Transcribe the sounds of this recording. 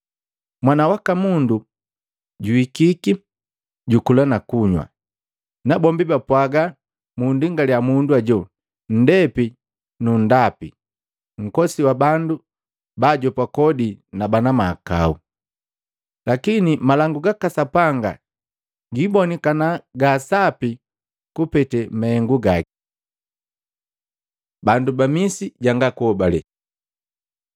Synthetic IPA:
mwanawakamundu | ɟuikiki | ɟukulanakuɲwa̰ | nabɔmbibapwaɡa | mundiŋɡaliamunduaɟɔ | n̩dɛpi | nundapi | ŋ̩kɔsiwabandu | baɟɔpakɔdinabanamaːka̰ṵ | lakinimalaŋɡuɡakasapaŋɡa̰ | ɡibɔnikanaɡaːsapi | kupɛtɛmaɛŋɡuɡaki | bandubamisiɟaŋɡakuɔbalɛ

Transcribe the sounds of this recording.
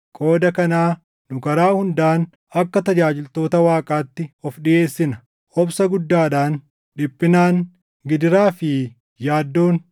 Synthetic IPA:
kʼo̞ːd̪ɐkɐnaː | nʊkɐɾaːhʊnd̪aːn | ɐkːɐt̪ɐd͡ʒaːd͡ʒɪlt̪o̞ːt̪ɐwaːkʼaːt̪ːɪɔfɗɪʔe̞ːsːɪnɐ | ɔbsɐɡʊd̪ːaːᶑaːn | ᶑɪpʼːɪnaːŋ | ɡɪd̪ɪɾaːfɪ | jaːd̪ːo̞ːn

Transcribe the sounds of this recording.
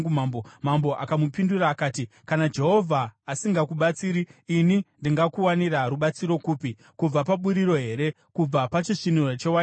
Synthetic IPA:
umambomambo̞ʔakamupinduraːkaːti | kanad͡ʒe̞ɦo̞vʱaːsiŋɡakuɓat͡siːɾiːnindiŋɡakuwaniraɾuɓat͡siɾo̞kuːpi | kub͡vapaɓuɾiɾo̞ɦe̞ɾe̞ | kub͡vapat͡ʃiʂinurot͡ʃewa

